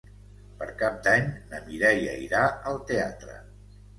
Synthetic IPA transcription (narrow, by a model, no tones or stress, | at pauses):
pəɾkap̚d̪aɲnəmiɾɛjə̰iɾaəlˠt̪eat̪ɾə̰